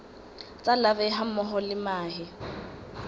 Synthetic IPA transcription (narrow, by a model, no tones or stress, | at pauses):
t͡sʼalabɛɦamɔɦɔlɪmaːhɪ